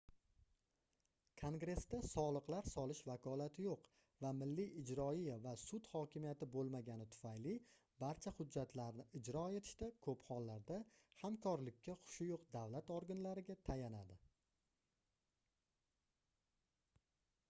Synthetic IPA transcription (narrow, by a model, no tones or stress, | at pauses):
kʰoŋɡɾe̞st̪asɒlˠɨqlaɾsɒlˠɪʃvakʰɒlat̪ʰɪjoq | vamɪlːiɪd͡ʒɾɒijavasʊt̪hɒkʲʰɪmijat̪ɪbolˠmaɡʲanɪt̪ʰʊ̥fajlɪ | baɾt͡ʃʰahʊd͡ʒːat̪ʰlaɾnɪɪd͡ʒɾɒe̞t̪ʰɪ̥ʃt̪akʰɵpχɒlːaɾd̪ahamkʰɒɾlɪkʲːaχʊ̥ʃɪjoqd̪avlat̪oɾɡanlaɾɪɡʲat̪ʰajanad̪ɪ